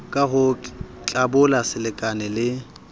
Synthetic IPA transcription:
kʼaɦʊt͡ɬʼabʊlasɪlɪkʼanɛlɪ

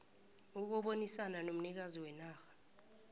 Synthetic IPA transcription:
uk̬ɔɓonisananom̩nik̬aziwɛnaːxḁ

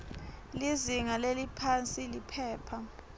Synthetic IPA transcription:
liziŋalelipʰant͡sʼilipʰɛːpʰa

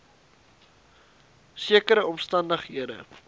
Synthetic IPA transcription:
siəkəɾəɔmstɐndəχɦiədə̰

